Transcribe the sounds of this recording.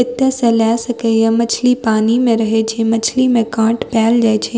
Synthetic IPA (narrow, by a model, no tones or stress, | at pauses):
ɪt̪jəsẽlaːsɐkejamɐt͡ʃʰlipaːnimẽɾɐɦet͡ʃʰemɐt͡ʃʰlimẽkãːʈpɛːld͡ʒaːjt͡ʃʰe